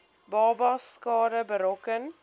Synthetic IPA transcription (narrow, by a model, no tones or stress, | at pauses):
bɑːbɐskɑːdəbəɾɔkən